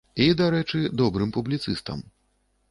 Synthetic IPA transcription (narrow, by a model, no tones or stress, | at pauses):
id̪aɾɛt͡ʂɨd̪ɔbɾɨmpublʲit̪sɨst̪ɐ̰m